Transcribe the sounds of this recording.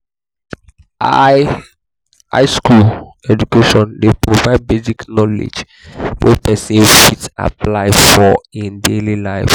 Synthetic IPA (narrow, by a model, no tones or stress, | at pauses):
a | a̰ɪskulɛd͡ʒukeʃɔ̃ndepɹovaɪd̚beziknɔlḛd͡ʒ | wʔɛ̰pɛsefita̰plaɪfɔĩndelilaɪf